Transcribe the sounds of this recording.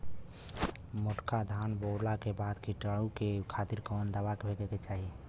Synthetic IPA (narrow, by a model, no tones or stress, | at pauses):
moʈkad̪ʱaːnboːlakebad̪kiʈəɽukekʰat̪iɾkɔnd̪əʋakebʱekeket͡ʃaːɦi